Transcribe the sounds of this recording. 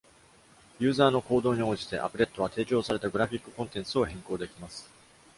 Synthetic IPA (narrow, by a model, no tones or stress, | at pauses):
jɯ̟ːzaːno̞ko̞ːd̪o̞ːɲ̟io̞ːʑi̥t̪e̞̰ʔa̰pɯ̟ɾe̞t̪ːo̞β̞at̪e̞ːt͡ɕo̞ːsaɾe̞t̪aɡɯ̟ɾaɸʲikːɯ̟kõ̞nt̪ẽ̞nt͡sɨo̞hẽ̞ŋko̞ːd̪e̞kʲimasɨ̥